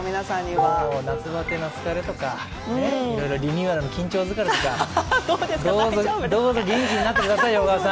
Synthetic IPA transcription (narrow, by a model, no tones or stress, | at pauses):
mʲinasãɲːiβaonat͡sɨβak̪enasɨ̥kaɾet̪o̞ka | neiɾo̞iɾo̞ɾʲiɲʲjɯːaɾɯno̞kʲĩɲ̟t͡ɕo̞ːzɨkaɾɨka | d̪oːzod̪o̞ːzo̞ɡʲẽŋk̬ʲiɲ̟inat̪ːe̞kɯd̪asaioːɣaːsã